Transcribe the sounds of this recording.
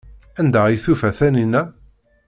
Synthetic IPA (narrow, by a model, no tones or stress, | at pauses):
ænd̪æijθufæθæninæ